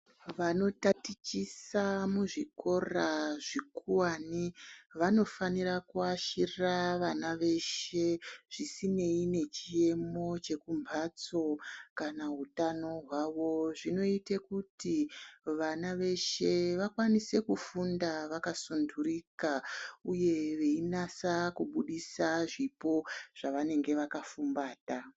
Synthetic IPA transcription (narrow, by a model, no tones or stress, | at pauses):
ʋano̞tatit͡ʃisamuʐikʰo̞raʐikuwaniʋano̞fanirakuaʃirraʋanaʋe̞ʃe̞ʐ̥isine̞ine̞t͡ʃie̞mo̞t͡ʃe̞kumbʱat͡so̞kanaɦutano̞ɦwaʋo̞ʐino̞itekutiʋanaʋe̞ʃe̞ʋakwanise̞kufundaʋakasundurikauje̞ʋe̞inasakuɓuɗisaʐipo̞ʐ̥aʋane̞ŋɡe̞ʋakafumbaːta